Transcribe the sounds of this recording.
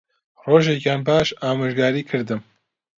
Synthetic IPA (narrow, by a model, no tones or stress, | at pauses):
roːʒekjaːnbaːʃaːmɨʒɡaːɾiːkʰɨɾd̪ɨm